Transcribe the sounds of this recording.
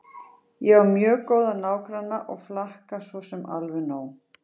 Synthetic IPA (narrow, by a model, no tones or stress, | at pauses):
jɛvaɾmjœːkoːwðanaːwkɾanːaʔɔɣflahkasvɔsɛma̰lvʏnoːw